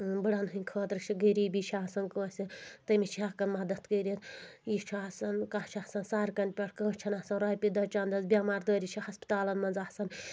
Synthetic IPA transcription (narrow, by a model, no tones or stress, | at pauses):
bɨɽɐnɦɨnʲkʰoːt̪ɾt͡ʃʰiɡəɾiːbit͡ʃʰaːsɐnkəsʲit̪ɐmit͡ʃʰiɐkɐnmɐd̪ɐt̪kəːɾit̪jit͡ʃʰaːsɐnkaːt͡ʃʰasɐnsaːɾkɐnpʲɐʈʰkə̃ːt͡ʃʰɐnasɐnɾaːjpʲid̪ɐt͡ʃaːnd̪ɐzbʲjaːmaːɾd̪oːɾit͡ʃʰihɐspi̥t̪aːlɐnmɐnzaːsɐn